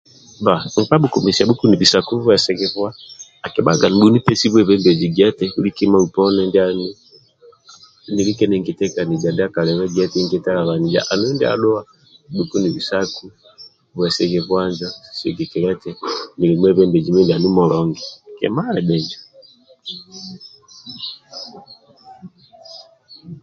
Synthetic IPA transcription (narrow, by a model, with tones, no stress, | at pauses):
ba˨ŋ̩˨pa˦ɓuku˨misiabu˦ku˦ni˨visaku˦vwɛsɛɣɛβwa˦ | a˨kɛɓa˦ɡa˨ni˨ɗu˦ni˦pɛsi˦βwɛβɛ˦mbɛd͡ʒiɡiɛ˦tɛuli˦kima˦upɔnɛndiani˦ | nili˦kɛnɛ˨ŋɡi˨tɛ˦ka˨ni˨d͡ʒa˨ndi˦a˦ka˨lɛβɛɡɛ˦tɛŋɡɛta˦la˨βa˨ni˨d͡ʒa̰ʔa˨nu˦ndi˦a̰ɗɔ˦a˦ | ɗu˨ku˦ni˨βi˨saku | βwɛ˨sɛɣɛβwand͡ʒḁsɛ̰ɡɛ˨kɛlɛtɛni˨limwɛβɛmbɛd͡ʒi˨mɛ˦ndi˨a˨nu˦mɔlɔŋɡɛkɛ̰ma˦lɛɓɛ˨nd͡ʒa